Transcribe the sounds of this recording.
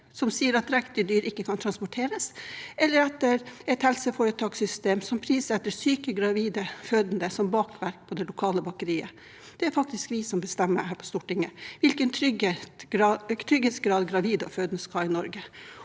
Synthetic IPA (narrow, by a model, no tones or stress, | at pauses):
sɔmsiːəɾɑt̪ɾɛkt̪ɪd̪yːɾɪkːəkʰɑnt̪ʰɾɑnspɔʈʰeːɾəsʔɛlːəɾɛt̪ːəɾɛɪt̪hɛlsəfoːɾət̪ʰɑːksʏst̪eːmsɔmpʰɾiːsɛt̪ːəɾsyːkəɡɾɑʋiːd̪əføːd̪nd̪əsɔmbɑːkʋæɾk̚pʰɔd̪ɛlʊkʰɑːləbɑkəɾiːə̰ | d̪̥ɛæɾfɑk̚t̪ɪskʋɪsɔmbəst̪ɛmːə̰hæːɾpʰɔ̥st̪ʊʈɪŋːəʋɪlkənt̪ʰɾʏɡet̪ɾɑt̪ʰɾʏɡeːt̪sɡɾɑːd̪ɡɾɑʋiːd̪ɔføːd̪nəskʰɑːɪnɔɾɡə